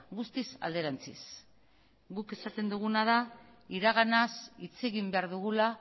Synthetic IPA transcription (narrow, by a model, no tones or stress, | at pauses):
ɡust̪isa̰ld̪e̞ɾant͡sḭs | ɡuke̞sat̪e̞nd̪uɣ̞unað̞a | iɾaɣanasit͡se̞ɣimbe̞aɾðuɣ̞ula